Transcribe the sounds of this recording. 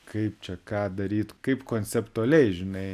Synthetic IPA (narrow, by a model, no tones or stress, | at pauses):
kɐɪp̚t͡ʃʲɛkɑːd̪ɐɾʲiːt̪kɐɪpkoːnʲt͡ssʲɛpt̪ʊɐlʲɛɪʒʲɪnɐɪ